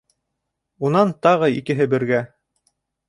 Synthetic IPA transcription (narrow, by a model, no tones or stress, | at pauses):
unɑnt̪ɑʁɤḭkɘ̆ɦɘbɘ̆ɾɡæ